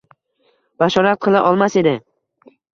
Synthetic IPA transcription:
baʃɒɾat̪̚qʰɨlˠaʔɒlˠmase̞d̪ɪ

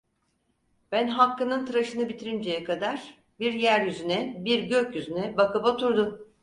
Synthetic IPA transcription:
b̥ænɦakːɯnɯnt̪ʰɯɾaʃɯnɯbit̪ʰiɾind͡ʒejɛkʰad̪aɾ̥ | biɾjæɾjyzynɛbiɾɟøcjyzynɛbakɯbat̪ʰuɾd̪um

